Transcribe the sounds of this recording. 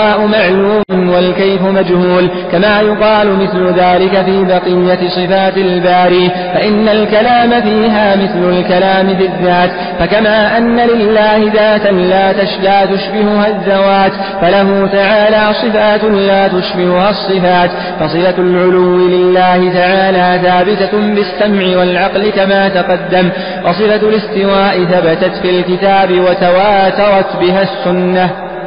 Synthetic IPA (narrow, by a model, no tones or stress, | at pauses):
aːʔʊmaʕluːmʊnwalkajfʊmad͡ʒhuːl | kamaːjʊqɑːlʊmɪθlʊðaːlɪkafiːbɑqɨjːat̪sˤɨfaːt̪ɪlbaːɾiː | faʔɪnːalkalaːmafiːɦaːmɪθlʊlkalaːmɪfɪðːaːt̪ | fakamaːʔanːalɪlːaːhɪðaːt̪anlaːt̪aʃlaːt̪ʊʃbɪhʊhaðːawaːt̪ | falaɦuːt̪aʕaːlaːsˤɨfaːt̪laːt̪ʊʃbɪhʊhaːsˤːɨfaːt̪ | fɑsˤɨfalʕʊlʊwːɪlɪlːaːhɪt̪aʕaːlaːθaːbɪt̪abɪsːamʕɪwalʕɑqlɪkamaːt̪aqɑd̪ːam | wɑsˤɨfalɪst̪ɪwaːʔɪθabat̪at̪filkɪt̪aːbɪwat̪awaːt̪ɑɾˤɑt̪bɪɦaːsːʊnːa